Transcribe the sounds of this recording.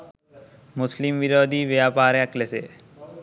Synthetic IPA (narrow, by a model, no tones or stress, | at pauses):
mʊslimʋiɾoːd̪iːʋjaːpaːɾjaklese